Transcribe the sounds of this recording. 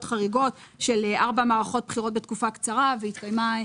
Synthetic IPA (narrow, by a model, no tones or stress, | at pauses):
tχaʁiɡot | ʃe̞lʔaʁbamaːʁaχo̞t̪̚bχiʁot̚bet̪̚kufakt͡saʁavehit̪kajma